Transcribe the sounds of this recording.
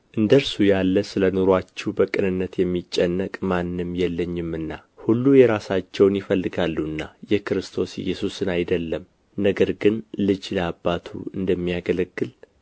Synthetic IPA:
ʔɨnd̪əɾsujalːəsɨlənoɾwat͡ʃːɛbəkʼɨnɨnːət̪jɛmːit͡ʃʼːɛnːəkʼmanːɨmjɛlːəɲːɪmɨnːahulːujɛɾasat͡ʃːɛwnjɪfəlːɨɡalːuɨnːajɛkɨɾɨst̪ʰo̞sɪ̰jːɛsusɨnajd̪əlːəm | nəɡəɾɡɨnlɨd͡ʒləabːat̪ʰṵɨnd̪əmːijaɡələɡːɨl

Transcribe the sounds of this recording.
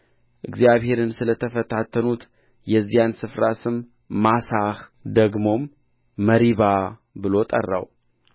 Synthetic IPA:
ʔɨɡzjaβhe̞ɾɨnsɨlət̪ʰəfət̪ʰat̪ʰːənut̪ | jɛzːijansɨfɾasɨmː | asahd̪əɡmo̞mː | əɾiβabɨlo̞t̪ʼə̰rːa̰w

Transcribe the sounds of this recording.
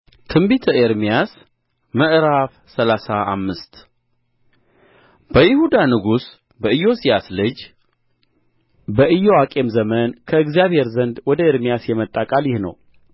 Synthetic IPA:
t̪ʰɨmbit̪ʰəʔeɾmijas | məʔɾaf | səlasaʔa̰mːɨst̪ | b̥əjɪhud̪anɨɡus | bəɨjo̞sijaslɨd͡ʒ | bəʔɨjowakʼe̞mzəmənkʰəɨɡzijaβhe̞ɾzənd̪wɔd̪əeɾmijasjɛmət̪ʼːakʼaljɪhnə̰w

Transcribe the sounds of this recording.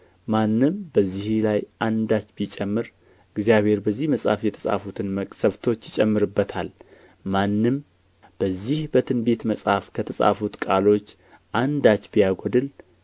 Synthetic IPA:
manːɨmbəzːihlajʔand̪at͡ʃːbit͡ʃʼɛmːɨɾ | ɨɡzijaβhe̞ɾbəzːihməsʼa̰fjɛt̪ʰə̥sʼa̰fut̪ʰɨnməkʼsəβt̪ʰo̞t͡ʃːjɪt͡ʃʼɛmːɨɾɨbːət̪ʰal | manːɨm | b̥əzːihbət̪ʰɨnbe̞t̪məsʼhafkʰət̪ʰəsʼa̰fut̪kʼalo̞t͡ʃː | ʔand̪at͡ʃːbijaɡʷod̪ɨl

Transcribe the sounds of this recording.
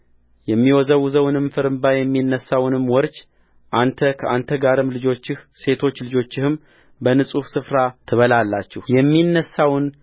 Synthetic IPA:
jɛmːiwɔzəwzəwnɨmfɨɾɨmbajɛmːinːəsːawnɨmːwɔɾt͡ʃ | ʔant̪ʰəkʰəʔant̪ʰəɡaɾɨmlɨd͡ʒot͡ʃːɪhse̞t̪ʰo̞t͡ʃːlɨd͡ʒo̞t͡ʃːɪhɨm | bənɨsʼufsɨfɾat̪ʰɨβəlalːat͡ʃːɪhjɛmːinːəsːawn

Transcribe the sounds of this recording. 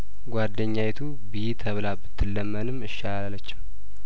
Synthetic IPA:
ɡʷad̪ːəɲːajt̪ʰu | bɨjit̪ʰəβlabɨt̪ʰːɨlːəmːənɨmɨʃːalalːət͡ʃːɪ̥m

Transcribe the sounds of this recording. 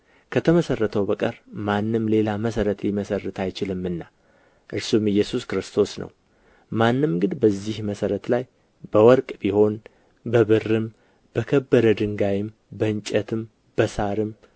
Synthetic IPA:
kʰət̪ʰəməsərːət̪ʰəwbəkʼəɾmanːɨmle̞laməsəɾət̪liməsərːɨt̪ʰajt͡ʃɪlɨmːɨnːa | ʔɨɾsumɨjːɛsuskɾɨst̪ʰo̞snə̰w | manːɨmɡɨd̪bəzːihməsəɾət̪laj | b̥əwɔɾkʼbiho̞n | bəβɨrːɨm | b̥əkʰəbːəɾəd̪ɨŋɡajɪm | bəɨɲt͡ʃʼət̪ʰɨm | b̥əsaɾɨm

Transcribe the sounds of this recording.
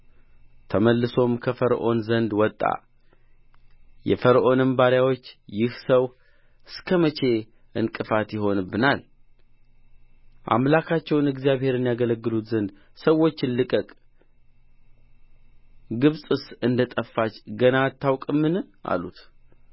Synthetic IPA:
t̪ʰəməlːɨso̞mkʰəfəɾʔo̞̰nzənd̪wɔt̪ʼːa̰ | jɛ̰fəɾʔo̞nɨmbaɾjawo̞t͡ʃːjɪhsəw | ɨskʰəmət͡ʃʰe̞ | ʔɨnkʼɨfat̪jɪɦo̞nbɨnal | ʔa̰mlakʰat͡ʃːɛwnɨɡzijaβhe̞ɾɨnijaɡələɡːɨlut̪zənd̪ | səwːo̞t͡ʃːɪnlɨkʼəkʼ | ɡɨβsʼɨsɨnd̪ət̪ʼəfːat͡ʃɡənat̪ʰːawkʼɨmːɨnʔa̰lut̪

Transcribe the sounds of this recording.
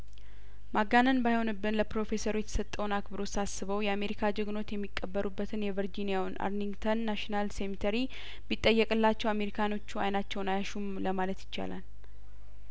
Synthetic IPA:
maɡanənbajho̞nɨbːɨnləpɾo̞fe̞səɾujɛt̪ʰə̥sət̪ʼːəwnakbɨɾo̞sasːɨβəwjɛame̞ɾikʰad͡ʒɨɡno̞t̪jɛmːikʼːəbːəɾʔubːət̪ʰɨnjɛvəɾd͡ʒinijawnʔa̰ɾniŋɡt̪ʰənːaʃinalsemit̪ʰəɾi | bit̪ʼːəjːɛkʼɨlːat͡ʃːɛwame̞ɾikʰano̞t͡ʃːua̰jnat͡ʃːɛwnajaʃumləmalət̪jɪt͡ʃːa̰la̰l

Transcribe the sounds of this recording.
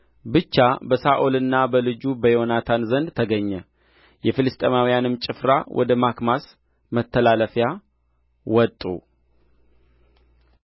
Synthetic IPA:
bɨt͡ʃːabəsaʔolɨnːabəlɨd͡ʒubəjonat̪ʰanzənd̪t̪ʰəɡəɲːɛ | jɛfɨlɨst̪ʼemawijanɨmt͡ʃʼɪfɾa̰wʔɔ̰d̪əmakmas | mət̪ʰːəlaləfja | wɔt̪ʼːṵ

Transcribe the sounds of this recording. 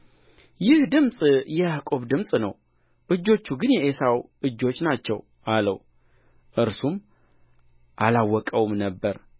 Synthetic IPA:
jɪhd̪ɨmsʼjɛjakʼo̞βd̪ɨmsʼnə̰w | ʔɨd͡ʒːo̞t͡ʃːuɡɨnjɛʔesawʔɨd͡ʒːo̞t͡ʃːnat͡ʃːɛw | ʔalə̰w | ʔɨɾsum | ʔalawːɔkʼəwmnəbːəɾ

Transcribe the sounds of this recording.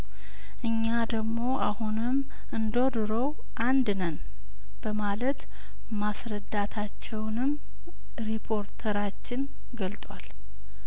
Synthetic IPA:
ʔɨɲːad̪əɡmo̞ʔahunɨm | ɨnd̪od̪ɨɾəw | ʔand̪nən | b̥əmalət̪ | masɾəd̪ːat̪ʰat͡ʃːɛwnɨm | ɾipʰo̞ɾt̪ʰəɾat͡ʃːɪn | ɡəlt̪ʼwal

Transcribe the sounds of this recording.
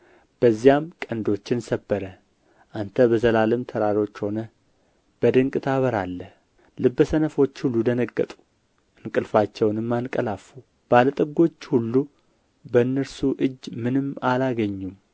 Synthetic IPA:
b̥əzːijamkʼənd̪o̞t͡ʃːɪnsəbːəɾə | ʔant̪ʰəbəzəlalɨmt̪ʰəɾaɾo̞t͡ʃːho̞nə | b̥əd̪ɨŋkʼɨt̪ʰaβəɾalːə | lɨbːəsənəfo̞t͡ʃːhulːud̪ənəɡːə̰t̪ʼu̥ | ʔɨnkʼɨlfat͡ʃːɛwnɨmːankʼəlafu | b̥alət̪ʼɨɡo̞t͡ʃːhulːu | bəɨnːəɾsuʔɨd͡ʒːmɨnɨmːalaɡəɲːum

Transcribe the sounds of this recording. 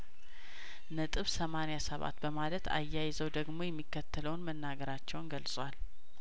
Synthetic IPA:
nət̪ʼɨβsəmanjasəβa̰t̪bəmalət̪ʰa̰jːajɪzəwd̪əɡmo̞jɛmːikːət̪ʰːələwnmənːaɡəɾat͡ʃːɛwnɡəlsʼwal

